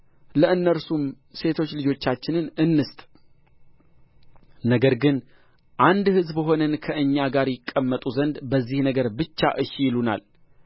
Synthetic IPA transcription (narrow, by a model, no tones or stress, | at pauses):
ləʔɨnːəɾsum | se̞t̪ʰo̞t͡ʃːlɨd͡ʒo̞t͡ʃːat͡ʃːɪnɨnɨnːɨst̪ʼ | nəɡəɾɡɨn | ʔand̪hɨzbəɦo̞nənkʰəʔɨɲːaɡaɾjɪkʼːəmːət̪ʼuzənd̪bəzːihnəɡəɾbɨt͡ʃːa̰ʔɨʃjɪluna̰l